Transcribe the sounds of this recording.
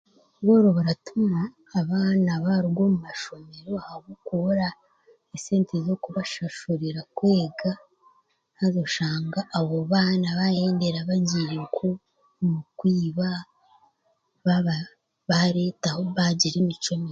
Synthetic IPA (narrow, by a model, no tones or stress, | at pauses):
βoːɾoβaɾatumaː | βaːnaβaɾiɡo̞ːmumaʃo̞me̞ɾo̞ahaβukuɾa | eseːntezo̞kuβaʃaʃuɾiɾakweːɡa | hazoʃaːŋɡaʔːβoβaːnaβajeːndeɾaβaɟiːɾekʰo | mukwiːβa | βaβa | βaɾe̞ːtahoβaɟiɾemit͡ʃomi